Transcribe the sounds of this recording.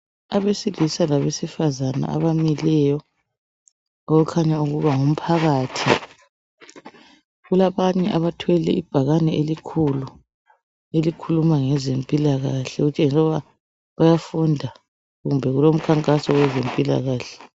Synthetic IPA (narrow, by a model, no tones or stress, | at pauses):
aβesilisalaβesifazana̰ʔa̰βamilɛjɔ | oɣukʰaɲauɣuβaŋum̩pʰaɣaːtʰi | ɣulaβaɲɛʔaβatʰwɛlɛʔib̥ʱaɣanɛʔelikʰulu | elikʰulumaŋɛzempʼilaɣaɬɛɣut͡ʃʼeŋisɔβa | βajafundʱa | ɣumbʱɛɣulom̩kʰaŋkʼasɔwɛzempʼila̰ɣaːɬɛ̥